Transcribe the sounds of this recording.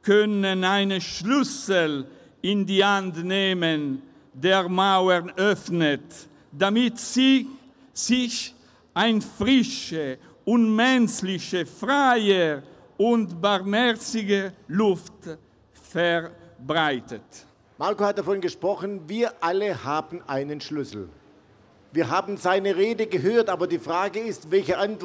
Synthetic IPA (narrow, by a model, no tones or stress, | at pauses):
kʰœnənaɪnəʃlʏsəl | ɪndiːhantneːmən | deːʁmaʊəʁnœfnət | damɪtsi | sɪç | aɪnfʁɪʃə | ʊnmɛnt͡slɪçəfʁaɪə | ʊntbaʁmhɛʁt͡sɪɡəlʊft | fɛʁbʁaɪtət | maʁkohat̚d̥afɔnɡəʃpʁ̥ɔχn̩viːɐʔaləhaːbn̩ʔaɪnənʃlʏsl̩ | viːɐɦaːbn̩zaɪnəʁeːdəɡəɦøːɐtʔaːbɐdiːfʁ̥aːɡəɪstvɛlçəʔant